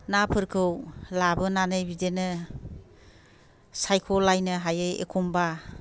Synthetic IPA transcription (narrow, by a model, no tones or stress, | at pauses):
napʰɯɾkʰɯwlabɯnanɯjbidenɯ | sajkʰɔlːajnɯɦajɯjḛkʰumba